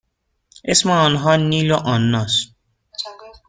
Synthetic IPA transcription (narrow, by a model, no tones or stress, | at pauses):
esmaːnɦɔːniːloʔɔnːɔs